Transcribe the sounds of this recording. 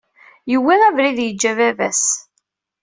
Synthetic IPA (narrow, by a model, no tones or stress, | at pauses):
jəwːiʁævɾiðjəd͡ʒːævævæ̰s